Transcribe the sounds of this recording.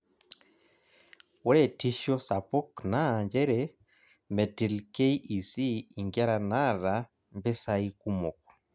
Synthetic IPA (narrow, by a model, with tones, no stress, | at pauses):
wo˦ɾetiʃosapo˦knaɲɟe˦ɾe | me˨ti˨lke˦iʔi˨siː˦˨ŋɡa˦ɾa˨na˦ɾa | mbe˦saiku˦moku̥